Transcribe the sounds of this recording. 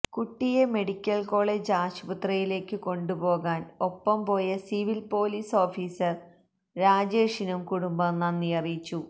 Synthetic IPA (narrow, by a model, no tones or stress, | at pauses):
kuʈːijeme̞ɽikʲːɐlko̞ːɭe̞d͡ʑaːɕbut̪rɐjile̞ːkːɨko̞ɳɖubo̞ːɣaːno̞pːɐmpo̞ːjɐsiʋilpo̞ːliːso̞ːfiːsɐr | ɾaːd͡ʑeːʂinumkuɽumbɐmnɐnːijɐrit͡ɕːu